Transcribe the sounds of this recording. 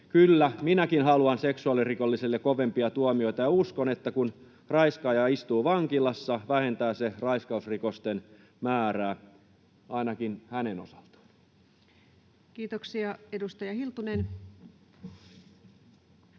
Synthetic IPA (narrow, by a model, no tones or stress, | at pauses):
kylːæminækinɦɑluɑnseksuɑlirikolːisilːekoʋempiɑt̪uomio̞it̪ɑjɑuskonet̪ːækun | rɑiskɑjɑist̪uːʋɑŋkilɑsːɑʋæhe̞nt̪æːserɑiskɑusrikost̪en | mæːɾæː | ʔɑinɑkinhæneno̰sɑ̥lt̪ɑ̥ | kiːt̪oksiɑedust̪ɑjɑhilt̪unen